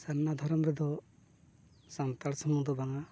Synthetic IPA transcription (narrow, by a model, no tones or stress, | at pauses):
səɾnad̪ʱɔɾɔmɾɛd̪ɔ | sant̪aɭsɔmud̪ɔbaŋa